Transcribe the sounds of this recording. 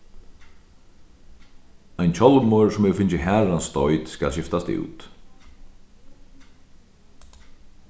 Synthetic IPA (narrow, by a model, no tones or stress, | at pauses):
ajnt͡ɕʰɔlmɔɾsʊmɛɣfɪnt͡ʃəɦæːɾanst̪ɔjt̪ska̰lɕɪft̪ast̪ṵːt̪